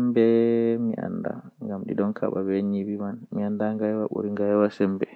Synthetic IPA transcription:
mbɛmiʔa̰nda̰ŋɡamɗḭɗɔnkʰa̰ɓabɛɲibimanmiandaŋɡajɛwaɓo̰ɾiŋɡajwasɛmbɛ

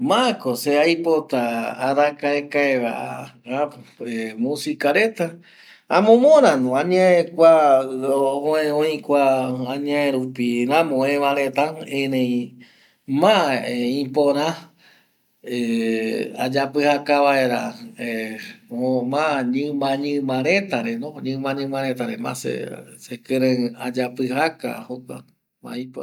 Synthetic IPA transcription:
mãkoseajpot̪aːɾakaekaeʋa̰ʔaaemũsikaɾet̪a | ãmõmõɾãnũãɲãẽkʷaoõẽõĩkʷãːɲãẽɾupiɾãmõẽʋãɾet̪aẽnẽj̃ | mãeĩpõɾ̃ã | e | a̰d͡ʒapɨhakaʋaeɾaeomãɲɨ̃mãɲɨ̃mãɾ̃ẽt̪aɾenõɲɨ̃mãɲɨ̃mãɾet̪aɾemã̰sḛsekɨɾẽad͡ʒapɨhaka̰hoka̰ | mã̰ipo

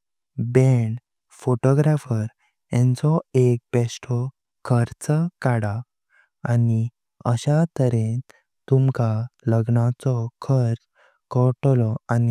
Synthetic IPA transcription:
bɛɳ | foʈɔɡɾafəɾ | ɛ̃nt͡sɔek̚bɛsʈʰɔ | kʰəɾt͡skaɽa | ani | əɕat̪əɾẽ | t̪umkaləɡnat͡sɔkʰəɾt͡s | kɔʈlɔani

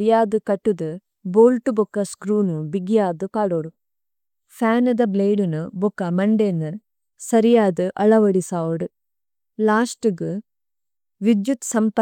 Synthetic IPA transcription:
ɾijaːd̪ɨkɐʈːud̪ɨ | boːlʈubokːɐskɾuːnubiɡijaːd̪ɨkaːɽoːɽu | fʰaːnɨd̪ɐbleːɖunubokːɐmɐɳɖenːɨ | sɐɾijaːd̪ɨʔɐɭɐʋɐɽisaːʋuɽɨ | laːsʈɨɡɨ | ʋid̪jut̪sɐmp

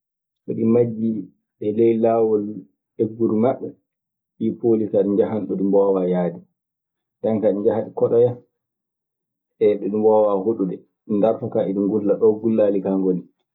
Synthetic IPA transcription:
ʔɔ̰ɗimad͡ʒːi | ɓɛlɛjlawɔl | eɡːuɾumaɓːɛ | ʔipoːlikaɗiɲd͡ʒaɦanɗɔɗimbɔwajaːdɛ | dankaɗiɲd͡ʒahaɗikɔɗɔja | ɛɗɔɗimbɔwahuɗuɗɛ | ɗindaɾfakaʔiɗumɡulːaɗɔɡulːalikaŋɡoli

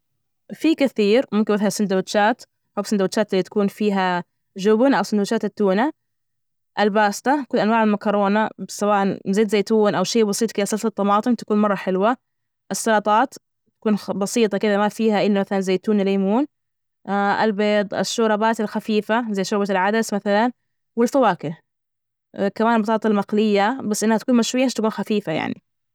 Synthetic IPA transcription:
fikɪθiːɾmʊmkɪnbɪθhasɪnd̪awɪʃaːt̪ | ħoːbsɪnd̪awɪt͡ʃːaːt̪lːit̪ḁkuːnfiːɦa | ʒʊbnʔawsɪnd̪wt͡ʃːaːt̪ɪt̪ːuːna | ʔalbaːst̪akʊlːʔanwaːʕɪlmakɑɾˤoːnasawaːʔanzeːt̪zeːt̪uːnʔawʃeːbɑsiːt̪ˤkɪðasˤɑlt̪ɑt̪ˤːɑmɑːt̪ˤɨmt̪ḁkuːnmɑrˤːɑħɪlwa | ʔɪsːɑlɑt̪ˤɑːt̪ | t̪ḁkuːnbɑsiːt̪ˤɑkɪd̪amafiːhaʔɪlːamaθalanzeːt̪uːnleːmuːn | ʔa̰lbeːd̪ˤʔa̰ʃːʊɾˤɑbaːt̪alxafiːfazajːʃʊɾbalʕad̪asmaθalan | wɪlfawaːkɪ | kamaːnbɑt̪ˤɑːt̪ˤɑlmaqlɪjːabasːʔɪnːhat̪kuːnmaʃwɪjːaɪʃt̪akuːnxafiːfaja̰ʕnḭ

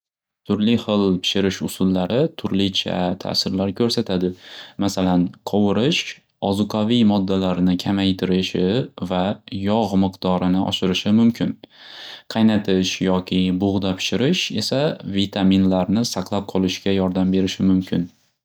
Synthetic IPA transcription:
t̪ʰʊɾlɪχɨlˠpʰɪ̥ʃɪɾɪʃʊsʊlˠːaɾɪt̪ʰʊɾlɪt͡ʃʰa̰t̪ʰa̰sɪɾlaɾkʲʰɵɾsat̪ʰad̪ɪmasalanqʰɒwɪɾɪʃ | ɒzʊqʰavijmɒd̪ːalaɾnɪkʲʰamajt̪ʰɪɾɪʃɪvajɒʁmɨqd̪̥ɒɾɪnɪʔɒ̰ʃɪɾɪʃɪmʊmkʲʰɪn | qʰɑjnat̪ʰɪʃjɒkʲʰɪbʊʁd̪apʰɪ̥ʃɪɾɪʃe̞̰savit̪ʰaminlaɾnɪsaqʰlˠap̚qʰɒlˠɪʃɡʲajɒɾd̪ambe̞ɾɪʃɪmʊmkʲʰɪn

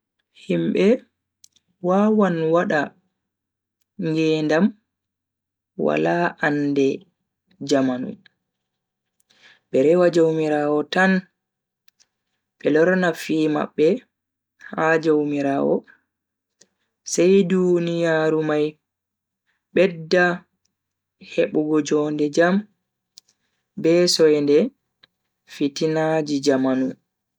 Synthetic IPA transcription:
himɓɛ | waːwanwaɗa | ŋɡɛndam | wa̰laːʔandɛ | d͡ʒamanṵm | ɓɛɾɛwad͡ʒawmiɾaːwɔtan | ɓɛlɔɾnafiːma̰ɓːɛ | had͡ʒawmiɾaːwɔ̰ | sɛjdunijaːɾumaj | ɓɛdːa | heɓuɡɔd͡ʒɔndɛd͡ʒam | bɛsɔjndɛ | fitinad͡ʒid͡ʒamanu

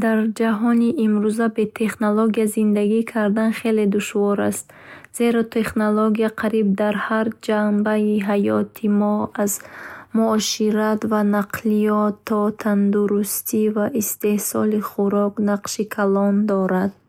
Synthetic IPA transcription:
d̪aɾd͡ʒaɦɔniʔːmɾuzabe̞t̪ʰe̞χnoloɡiazind̪aɡikʰaɾd̪anχe̞le̞d̪uʃvɔɾa̰st̪ | z̥e̞ɾɔt̪ʰe̞χnoloɡijaqʰaɾib̚d̪aɾhaɾd͡ʒambaiɦajɔt̪ʰimɔazmuɔʃiɾat̪vanaqlijɔt̪ʰːɔt̪ʰand̪uɾust̪ʰivaʔist̪e̞hsɔ̰liχuɾɔknaqʃikʰalɔnd̪ɔɾad̪̚

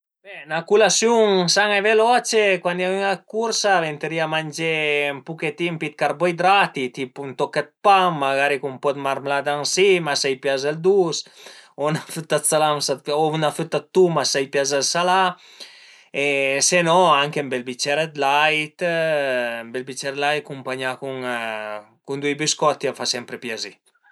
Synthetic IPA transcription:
b̥ɛnakulasjuŋsaŋevelɔt͡ʃekwand̪avyŋakuɾsavent̪eɾiamand͡ʒempuket̪impit̪̚kaɾbɔjd̪ɾat̪it̪ipunt̪ɔkːat̪̚paŋːaɡaɾikumpɔt̪maɾmlad̪ansimasajpjazald̪usonafyt̪ːasalamsat̪ounafyt̪ːat̪ːumasajpjazalsala | esenɔaŋkembelbit͡ʃɛɾed̪lajt̪ː | mbelbit͡ʃɛɾd̪laj̚kumpaɲakuŋ | kund̪wujbiskɔt̪ːiafasɛmpɾepjazi

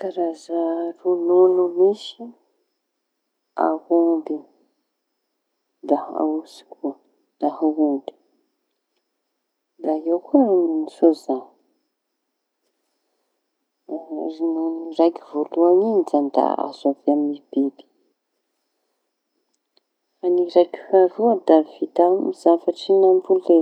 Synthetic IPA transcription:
kaɾazarununumiʃi | a̰humbi | d̪aa̰usi̥kʰuə | d̪ahuumbi̥ | d̪aewkuninisozani | ɾinuniɾajkivoluaŋid͡ʒand̪a̰a̰zavaminib̥ebi̥ | faniɾajkʲi̥vaɾud̪avit̪amiz̥afaʈ͡ʂinambule

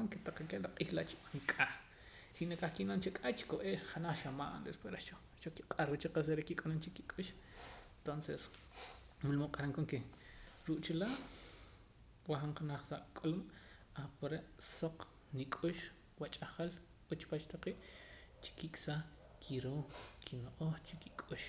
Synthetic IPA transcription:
aŋket̪aqakelaqʼiːxlaʔt͡ʃiɓaŋkʼax | sinekʼaχkinant͡ʃekʼat͡ʃi̥koeːʔχanaχʃamaːʔnd̪espweɾeʃo | ʃoki̥qʼaɾwut͡ʃeqes̬eɾekikʼanont͡ʃikikʼuʃ | nt̪onses | mulmoqʼaɾaŋkoŋkeɾuʔt͡ʃilaːʔ | waχaɴqanaχsaʔkʼulum | apoɾeʔsoq͡χ | nikʼuʃ | wat͡ʃʼaχal | ut͡ʃpat͡ʃt̪aqiːʔ | t͡ʃi̥kikʼsa | kʰiɾoːkʰinoʔoχt͡ʃikikʼuʃ

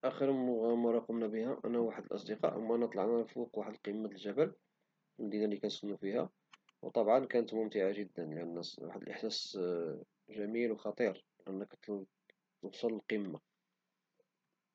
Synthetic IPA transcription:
ʔæxəɾɣmɑɾˤɑqʊmnæbəhæʔæ̰næwaħəd̪əlʔɑ̰sˤd̪əqɑ̰ʔmːæʔænæt̪ˤlɑʕnæfuqwaħəd̪əlqimːat̪əlʒæbæl | lmæd̪inalikænsənːufihæ̰ | wt̪ˤɑbʕɑnkænət̪mʊmt̪ɪʕaʒəd̪ːənlʔənːwa̰ħəd̪əlʔəħsæs | ʒæmilwxɑt̪ˤiɾlʔənːəkt̪ | wsˤɑləlqimːa

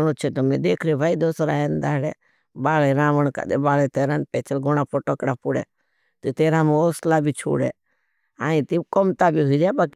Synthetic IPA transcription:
not͡ʃʰet̪omẽd̪eːkʰɾiobʱaid̪oːsɾa̰ːend̪aːɽe | baːleɾãːʋəɳka̰d̪ḛbaːlet̪eːɾanpɛːt͡ʃəlɡoɽ̃aːpoʈəkɽapʊɽḛː | t̪it̪eːɾamẽoːslabʱit͡ʃʰṵːɽḛ | aːĩt̪ikɔmt̪abiɦuid͡ʒabaːk

